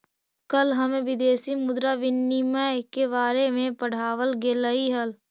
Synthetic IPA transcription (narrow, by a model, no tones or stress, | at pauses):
kəlɦəmẽʋɪd̪eːsimʊd̪ɾaʋɪnːiməkeβaːɾemẽpəɽ̤aːwəlɡeləiɦəl